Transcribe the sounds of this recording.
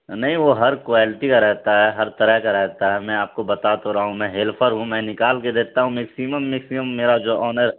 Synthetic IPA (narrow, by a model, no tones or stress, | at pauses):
nɐɦĩʋoɦɐɾkʋaːlɪʈikaɾɛɦt̪aɦɛɦɐɾt̪ɐɾəɦkaɾɛɦt̪aɦɛmɛ̃aːp̚kobɐt̪at̪oɾaːɦũmɛ̃ɦeːlpʰəɾɦũmɛ̃ːnɪkaːlked̪eːt̪aɦũmɛksiməmːɪksiməmːeːɾad͡ʒoːʔɔːnəɾ